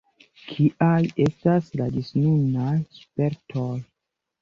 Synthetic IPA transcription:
kʰiʔaje̞stasladisnunajspe̞ɾtʰoj

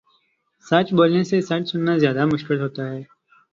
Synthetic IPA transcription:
sɐt͡ʃboːlnesesɐt͡ʃsʊnːazjaːd̪amʊʃkɪlɦoːt̪aɦɛː

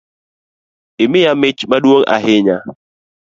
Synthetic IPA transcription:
ɪmɪjamɪt͡ʃmaɗwoŋa̰ɦɪɲa

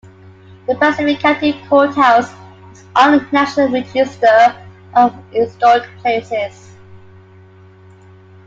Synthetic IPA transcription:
ðəpʰasɪfɪkʰatɪvkʰɔˑtaʊs | ɪzʔɔlɪ̃ntʰənæʃənəlˠɹɪd͡ʒɪstə | ʔəvɪsdɔdpʰl̥eɪsɪz̥

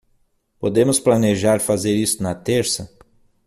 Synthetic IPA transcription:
pod̪ẽmʊsplaneʒaɾfazeɾist̪ʊnɐt̪eɾsɐ

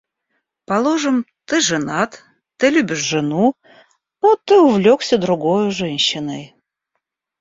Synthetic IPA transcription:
pɐlˠoʐɨm | t̪ɨʐɨnat̪ | t̪ːɨlʲubʲɪʂʐɨnu | ot̪ːɨʊvlʲoksʲəd̪ɾʊɡojʊʐɛnʲɕːɪnəj

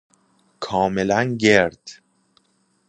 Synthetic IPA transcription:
kʰɒːme̞lænɟeɾd̪̥

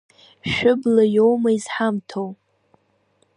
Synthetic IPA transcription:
ʃʷᶣʊblajowmaizħamtʰow

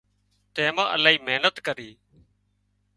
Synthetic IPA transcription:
t̪eːmãːʔəlaːiːmeːnət̪kəɾiː

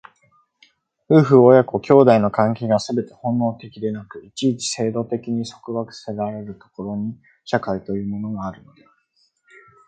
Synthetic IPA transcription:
ɸɯ̟ːɸɯ̟ojako̞kʲo̞ːd̪aino̞kãŋkʲeːɡasɨbe̞t̪e̞hõ̞nːo̞ːt̪e̞kʲid̪e̞nakɯ̟it͡ɕiːt͡ɕi̥se̞ːd̪o̞t̪e̞kʲiɲ̟iso̞̥kɯ̟βakɯ̟̥seɾaɾe̞ɾɯ̟t̪o̞̥ko̞ɾo̞ɲ̟i | ɕakait̪o̞jɯ̟ːmo̞no̞ɡaːɾɯ̟no̞d̪e

